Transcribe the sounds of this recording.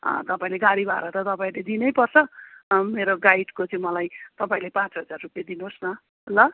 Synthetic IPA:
ʌ̰t̪ʌpãĩleɡaɽibʱa̰ḛɾʌt̪ʌt̪ʌpaĩled̪inʌjpʌrt͡sʰʌmeɾoɡaiʈkot͡sʌĩmʌlajt̪ʌpaĩlepãt͡sɦʌd͡zarrupjad̪inosnʌ | ɦolʌ

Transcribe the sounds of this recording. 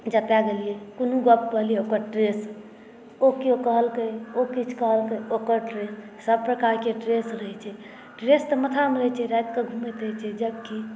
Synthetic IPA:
d͡ʒəpjaɡelijekonuɡəp̚kəɦlijeokəɾʈɾes | okeokəɦəlkəjokit͡ʃʰkəɦəlkəjokəɾʈɾesː | əb̚pɾəkaɾkeʈɾesɾəɦɛt͡ʃʰɛ | ʈɾest̪əmət̪ʰamɾəɦɛt͡ʃʰɛɾajt̪kəɡʱumet̪jt͡ʃʰɛd͡ʒəb̚ki

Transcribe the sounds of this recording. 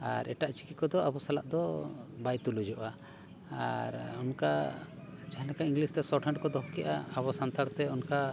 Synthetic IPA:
a̰ɾʔɛ̰ʈaʔt͡ʃi̥kit̪kɔd̪ɔʔabɔsalaʔd̪ɔbajt̪ulud͡ʒɔʔa | aɾɔnka | d͡ʒaɦãlɛkaiŋɡlist̪ɛsɔʈʰaɳɖkɔd̪ɔɦɔkɛʔa̰abɔsant̪ʰaɾt̪ɛɔnka

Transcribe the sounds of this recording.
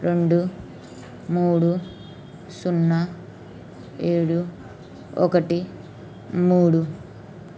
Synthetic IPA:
ɾe̞ɳɖu | muːɽu | sunːa | eːɽu | ɔ̰kɐʈi | muːɽu

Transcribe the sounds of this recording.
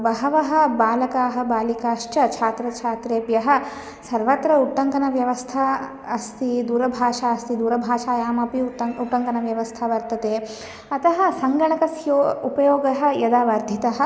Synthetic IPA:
bɐɦɐʋɐɦɐ̆baːlɐkaːɦɐ̆baːlikaːʃt͡ʃɐt͡ʃʰaːt̪ɾɐt͡ʃʰaːt̪ɾeːpjɐɦɐ̆ | sɐɾʋɐt̪ɾɐuʈːɐŋkɐnɐʋjɐʋɐst̪ʰɐ | ɐst̪id̪uːɾɐbʱaːʃaːɐst̪id̪uːɾɐbʱaːʃaːjaːmɐpiɐuʈːɐŋkɐnɐʋjɐʋɐst̪ʰɐʋɐɾt̪ɐt̪eː | ɐt̪ʰɐɦɐsɐŋɡɐɳɐkɐsjoːupɐjoːɡɐɦɐ̆jɐd̪aːʋɐɾd̪ʱit̪ɐɦɐ̆

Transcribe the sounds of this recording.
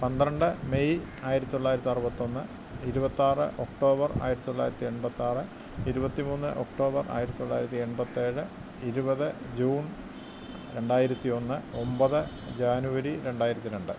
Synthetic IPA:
pɐnd̪ɾɐɳɖɨmejaːjiɾɐt̪ːit̪oɭːaːjiɾɐt̪ːiɐrubɐt̪ːo̞nːɨ | iɾubɐt̪ːaːrɨʔo̞kʈo̞ːbɐra̰ːjiɾɐt̪ːit̪ːoɭːa̰ːjiɾɐt̪ːie̞ɳbɐt̪ːaːrɨ | iɾubɐt̪ːimuːnːɨ̰ʔo̞kʈo̞ːbɐra̰ːjiɾɐt̪ːit̪oɭːaːjiɾɐt̪ːie̞ɳbɐt̪ːeːɻɨ | iɾubɐðɨ | d͡ʑuːn | ɾe̞ɳɖaːjiɾɐt̪ːio̞nːɨo̞mbɐðɨ | d͡ʑaːnuʋɐɾiɾe̞ɳɖaːjiɾɐt̪ːiɾe̞ɳɖɨ

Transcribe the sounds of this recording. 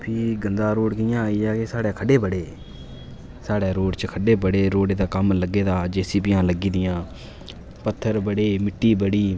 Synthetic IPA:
pʰiːɡənd̪aːɾoːɽkɪjãːaːiːd͡ʒaːkesaːɽeːkʰəɖeːbəɽeː | saːɽeːɾoːɖt͡ʃkʰəɖeːbəɽeːɾoːɽeːd̪aːkəmləɡeːd̪aːd͡ʒeːsiːbɪjãːləɡiːd̪ɪjãː | pət̪ʰːəɾbəɽeːmɪʈːiːbəɽiː

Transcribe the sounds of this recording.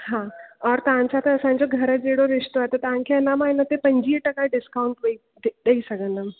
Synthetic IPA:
ɦãɔːɾt̪ɐãɲt͡ɕat̪eːsãɲd͡ʑoɡʱɐɾəd͡ʑeɽoɾɪʂt̪oat̪ot̪aãŋkʰeɐnamaːinət̪epɐ̃ɲd͡ʑiːʈɐkaɖɪskawuɳʈʋɐi | ɗ̪əisəɡə̃nd̪əm

